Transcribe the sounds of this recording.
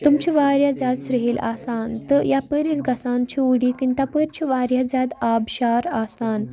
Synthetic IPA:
t̪umt͡ɕiʋaɾjad͡zjad̪sɾeɦela̰sant̪əjapəɾit͡sɡʱasãnt͡ɕiuɽikĩnt̪apəɾt͡ɕiʋaɾjad͡zjad̪abɕaɾasan

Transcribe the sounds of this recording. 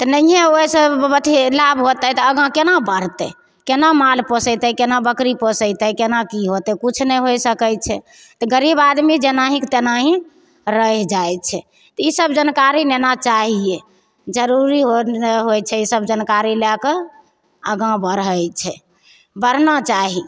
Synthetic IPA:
t̪ɔnəiɦẽoisəbət̪ʰilabɦot̪ət̪ɔəɡãkenabəɾ̤t̪ɛ | kenamalpəsət̪ɛkenabəkɾipəsəɪt̪ɛkenakiɦot̪ɛkut͡ʃʰnəɦojsəkəjt͡ʃʰɛ | t̪ɔɡəɾibad̪mid͡ʒenaɦĩkt̪enaɦĩ | ɾəɛd͡ʒajt͡ʃʰɛ | t̪ɔisəbd͡ʒənkaɾinenat͡ʃaɦie | d͡ʒəɾuɾiɦoɦojt͡ʃʰɛisəbd͡ʒənkaɾilakə | əɡãbəɾəjt͡ʃʰɛ | bəɾ̤nat͡ʃaɦi

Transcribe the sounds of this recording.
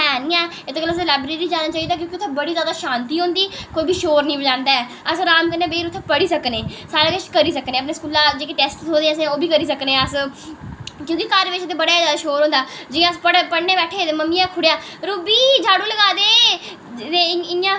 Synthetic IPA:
ɦɛːnĩːɛ̃ː | ɪt̪oːkəlːs̬laːbɾeːɾiːd͡ʒaːnaːt͡ʃaːiːd̪aːk̬jõːkiʊt̪ʰːẽbəɽiːzjaːd̪aːʃãːnt̪iːɦõːnd̪iːkoːiːbiːʃoːɾnĩːbəd͡ʒãːnd̪aːɛː | əsoɾaːmkəɾnẽːbeːɾʊt̪ʰːẽpəɽiːsəkneːsaːɾaːkɪt͡ʃkəɾiːsəkneːəp̬neːskuːlãːd͡ʒeːkeʈɛːsʈoːd̪eːɛ̃ːəsẽoːbiːkəɾiːs̬əkneːɛ̃ːəs | kjõːkikəɾʋɪt͡ʃd̪eːbəɽaːzaːd̪aːʃoːɾɦõːnd̪aːd͡ʒɪãspəɽpəɽneːbɛːʈʰːeːd̪eməmːĩːãːkʰʊɽejaː | ɾuːbiːd͡ʒaːɽõːləɡaːd̪eː | d̪eːɪãː

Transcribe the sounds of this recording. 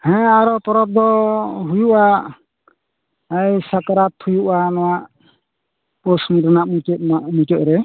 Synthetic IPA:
hɛ̃aɾɔpɔɾɔp̚d̪ɔɦujuʔa | əjsakaɾat̪ʰːujuʔanɔwaʔ | pɔsndɔnaʔmutɔt̪̚maʔmutɔt̪̚ɾɛ

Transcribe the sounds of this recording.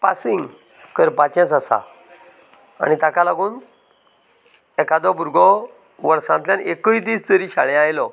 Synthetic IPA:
pasiŋɡ | kəɾpat͡ɕãt͡sasa̰ | a̰ñit̪akalaɡũːn | ɛkad̪ɔbuɾɡɔ | ʋəɾsãnt̪ljanʔekəid̪iːst͡səɾiɕaɭjajlɔ

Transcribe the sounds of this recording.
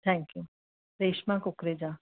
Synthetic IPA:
t̪ʰɛ̃ŋkju | ɾeːʃmãkʊkɾed͡ʑa

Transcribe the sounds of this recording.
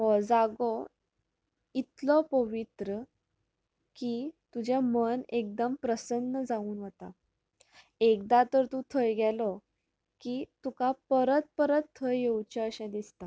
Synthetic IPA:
ɦɔd͡zaɡɔ | it̪lɔpəʋit̪ɾə | kit̪ud͡ʑamənek̚d̪əmpɾəsənːəd͡zauːnɦət̪a | ek̚d̪at̪əɾt̪ũt̪ʰəjɡɛlɔ | kit̪ukapəɾət̪̚pəɾət̪ʰːəjjewt͡ɕəəɕɛ̃d̪ist̪a

